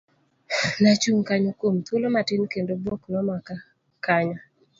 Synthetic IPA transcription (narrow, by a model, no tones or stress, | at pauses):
nat͡ʃuŋkaɲokomt̪wolomatɪnkendoboknɔmaka | kaɲɔ